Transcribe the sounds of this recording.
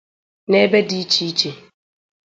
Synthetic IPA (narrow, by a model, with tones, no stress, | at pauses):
ne˦be˦di˦t͡ʃi˦i˦t͡ʃe˨